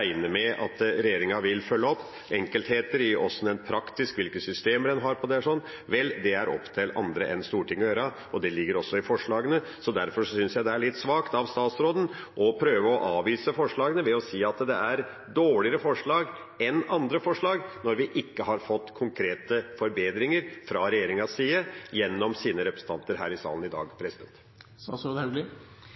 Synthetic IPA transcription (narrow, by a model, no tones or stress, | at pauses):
æɪnəmɛʔɑ̰t̪ɾɛjeːɾɪŋɑʋɪlfœlːəɔpː | ɛŋkəlt̪heːt̪əɾɪʔɔ̰sɔnɛnpʰɾɑkt̪ɪskʋɪlkəsʏst̪eːməɖ̪ɛnɦɑɾpʰɔd̪ɛʂɔnː | ʋɛlːd̪ɛæɾɔ̰pːt̪ʰɪlɑ̰nd̪ɾə̰ʔɛ̰nst̪uːɾʈʰɪŋːɔjøːɾə | ʔɔd̪ɛlɪɡːəɾɔsːɔɪfɔʂɭɑːɡənə | sɔd̪æɾfɔʂɔsʏnsjæɪd̪ɛæɭɪt̪ːsʋɑːkt̪ɑʋst̪ɑːt̪sɾoːd̪n̩ | ʔɔpʰɾøːʋəɔʔɑːʋiːsəfɔʂɭɑːɡənəʋɛɔsiːɑt̪d̪ɛæɾ | d̪oːɭɪəɾəfɔʂɭɑːɡ | ɛnɑnd̪ɾəfɔʂɭɑːɡnɔɾʋɪʔɪkːəɦɑɾfɔt̪ːkʰʊŋkʰɾeːt̪əfɔɾbeːd̪ɾɪŋəɾfɾɑɾɛjeːɾɪŋɑsiːəjɛnːɔmsiːnəɾɛpɾəsn̩t̪ɑnt̪əɾɦæ̰ːɾɪsɑ̰ːlnɪd̪ɑ̰ːɡpʰɾɛsɪd̪ɛnt̪ | st̪ɑ̰sɾoːd̪ɛlɪ